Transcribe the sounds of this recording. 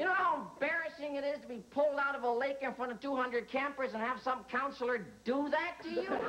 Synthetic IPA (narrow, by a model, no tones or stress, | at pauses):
jɨñoʊhaʊə̃mb̥ɛɹɨsɪ̃ŋɨɾɪz̥tʰəbipʰʊlˠdaʊɾʌvəleɪkɨ̃nfɹʌ̃ɾ̃ʌv̥tuhʌ̃ndɹɨd̚kʰæ̃mpə˞zɨ̃nɨv̥sʌ̃mkʰãʊ̃nsl̩ˠə˞dəðɨtʰːɨju